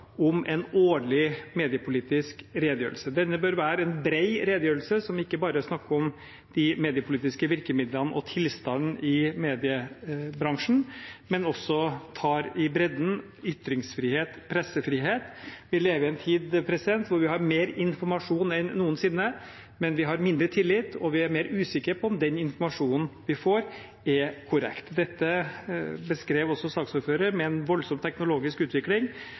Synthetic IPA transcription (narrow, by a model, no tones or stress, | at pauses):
ɔmʔɛnoːɭɪmeːd̪ɪəpʰʊliːt̪ɪskɾeːd̪əjø̰ːɾəlsəd̪ɛnːəbøɾʋæːɾəɛnbɾeɪɾeːd̪əjøːɾəlsəsɔmɪkːəbɑːɾəsnɑkːəɾɔm | d̪̥ɪmeːd̪ɪəpʰʊliːt̪ɪskəʋɪɾkəmɪd̪lənəʔɔt̪ʰɪlst̪ɑnn̩ʔɪmeːd̪ɪəbɾɑŋʂn̩mɛnɔsːɔt̪ʰɑːɾɪbɾɛd̪n̩ | ʏt̪ːɾɪŋsfɾiːheːt̪pʰɾɛsːəfɾiːɦeːt̪ʋɪleːʋəɪɛnt̪ʰiːd̪pʰɾɛsɪd̪ɛnt̪ʋʊɾʋɪhɑɾmeːɾɪnfɔɾmɑʂuːnɛnːuːənsɪnːə | mɛnʋɪɦɑɾmɪnd̪ɾət̪ʰɪlːɪt̪ːɔʋɪæɾmeːɾʉːsɪkːəɾpʰɔɔmd̪ɛnɪnfɔɾmɑʂuːnn̩ʋɪfoːɾ | ɛkʰʊɾɛ̰kt̪d̪ɛt̪ːə | bəskɾeːʋɔsɔsɑːksuːɾføːɾəɾmɛɛnʋɔlsɔmt̪ʰɛknʊloːɡɪskʉːt̪ʋɪklɪŋ